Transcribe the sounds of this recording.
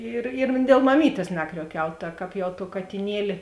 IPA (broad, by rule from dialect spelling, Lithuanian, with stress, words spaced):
ˈɪr ɪr dʲeːlˠ mɐˈmʲiːtʲeːs ˈnɑːkrʲuɔˌkʲɛʊ tɐ ˈkɑːp jɛʊ toː kɐtʲɪˈnʲiɛlʲɪ